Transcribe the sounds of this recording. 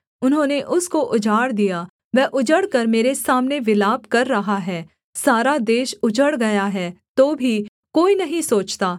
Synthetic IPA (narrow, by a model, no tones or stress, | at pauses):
ʊnɦõːneʔʊskoʔʊd͡ʒaːɽd̪ija | ʋɛːʔʊd͡ʒəɽkɐɾmeːɾesaːmneʋɪlaːbkɐɾːɐɦaɦɛː | saːɾad̪eːʃʊd͡ʒəɽɡɐjaɦɛːt̪oːbʱi | koːinɐɦĩsoːt͡ʃt̪aː